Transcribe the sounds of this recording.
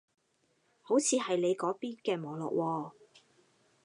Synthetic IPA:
ho˨˥wt͡sʰiː˨˧ɦɐ˨jle˨˧jkɔː˨˥piː˥nkɛː˧mɔː˨˩lɔ̰ː˨˩k̚wʔɔː˧

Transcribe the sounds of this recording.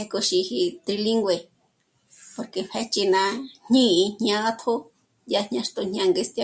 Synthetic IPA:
he˧ko˧ʃi˧hi˧t̪ɾi˧li˦ŋɡʷe˧ | po˧ɾke˧pe˧t͡ʃi˧nã˧hɲĩ˦i˧ɲɲã˧ða˦t̪ʰo˦ | ja˧nɲã˧ʂt̪o˧ɲɲã˧ŋɡe˧st̪ja˧

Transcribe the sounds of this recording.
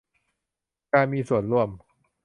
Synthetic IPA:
kaː˧nmiː˧su˨˩ənɾu˥˩əm

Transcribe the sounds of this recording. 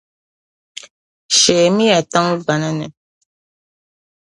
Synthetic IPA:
ʃɛː˨mi˦ja˨ta˦ŋ˦ba˨na˦nɛ˨

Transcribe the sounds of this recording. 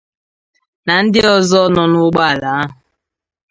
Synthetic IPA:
na˨n̩˦dɪ˦ɔ˦zɔ˦nɔ˨nʊ˦ɡ͡ba˦a˨la˨a˦ɦʊ˨

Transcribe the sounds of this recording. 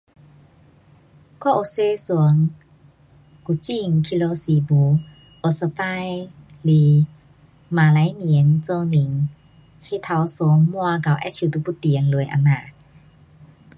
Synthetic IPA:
kɔ˧˦ʔo˧˨se˧˦su˧˨˦əŋ | ku˧˩t͡ɕi˧˨ŋkʰi˧lo˧si˧bu˨˧˦ | ʔo˧˩sə˧pa˥˧˥j | li˧ | maː˨la˨˦jni˨ə˦nt͡so˧ni˨ŋ | he˧˦˨t̪ʰa˧˦wso˧˦ŋmu˧a˧ka˨˧˩wʔɛ̰˧˥t͡ɕʰi˧˨t̪u˧˦pu˧˦t̪i˨ənlu˨˧˦jʔa̰˧˩na˧˨

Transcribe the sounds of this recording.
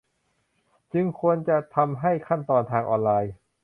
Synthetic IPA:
t͡ɕɯ˧ŋkʰu˧ənt͡ɕa˨˩t̪ʰa˧mɦa˥˩jkʰa˥˩nt̪ɔː˧nt̪ʰaː˧ŋʔɔ̰ː˧nlaː˧j

